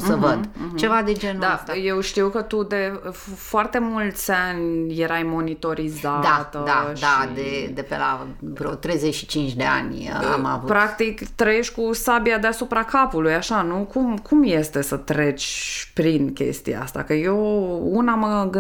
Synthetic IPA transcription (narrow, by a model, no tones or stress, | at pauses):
səvəd̪̩t͡ʃe̞vad̪ed͡ʒend̪aast̪aje̞wʃt̪iwkət̪ud̪e̞ffoart̪e̞mult̪sʲanʲje̞ɾajmo̞nit̪o̞ɾizad̪at̪əd̪adʃad̪ed̪epela̰vɾot̪ɾe̞jzet͡ʃʃi̥t͡ʃint͡ʃd̪e̞a̰nʲa̰ma̰vupɾak̚t̪ikt̪ɾəje̞ʃʲkusabijad̪easupɾakapulujaʃanukumkumje̞st̪e̞sət̪ɾe̞t͡ʃpɾinkʲe̞̰st̪ḭja̰a̰st̪a̰kəjounaməɡɨ